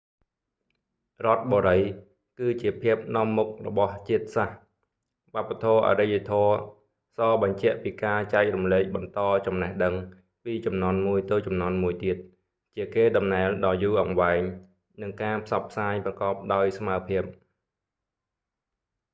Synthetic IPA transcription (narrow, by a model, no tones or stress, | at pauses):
rŏət̪̚ɓoːɾəj | kɨːt͡ɕiəpʰiəp̚nŏəmːuk̚rɔ̰ɓɑht͡ɕiət̪̚sah | ʋăəpːat̪ʰoːəʔa̰ɾəjʋat̪ʰɔə | sɑːɓɑɲt͡ɕɛ̆əʔpiːkaːt͡ɕaɛk̚rumleːk̚ɓɑnt̪ɑːt͡ɕɑmnehɗəŋ | piːt͡ɕɑmnŏənmuəjt̪ɨːt͡ɕɑmnŏənmuəjt̪iət̪̚ | t͡ɕiəkeːɗɑmnaɛlɗɑːjuːʔɑŋʋaɛŋ | nɨŋkaːpʰsɑpʰːsaːjprɑkɑːp̚ɗaɔjsmaəpʰiəp̚